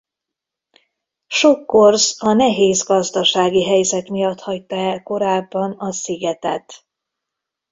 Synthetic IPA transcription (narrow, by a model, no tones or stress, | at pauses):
ʃokːo̞rzɒnɛɦeːzɡɒzd̪ɒʃaːɡiɦɛjzɛt̪mijɒt̪hɒc̚t̪ːɒɛlko̞ɾaːbːɒnɒsiɡɛt̪ɛt̪